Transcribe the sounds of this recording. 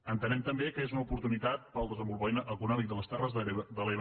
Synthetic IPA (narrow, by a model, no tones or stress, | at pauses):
ənt̪ənɛmt̪əmbekəezunəupuɾt̪unit̪at̪̚pəlˠd̪əzəmbulˠβɔjnəʔəkunɔmik̚d̪ələst̪ɛrəzd̪əleβ